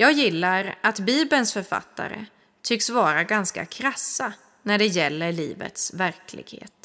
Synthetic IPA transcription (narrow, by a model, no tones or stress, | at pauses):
jɑːɡjɪlːaɾat̪biːbənsfœɾfa̰t̪ːa̰ɾə̰ | t̪ʰʏksvɑːɾaɡanska̰kʰɾasːa | næɖɛjɛlːəɭiːvə̰t̪svæɾkʰlɪ̰ɡ̥hḛːt̪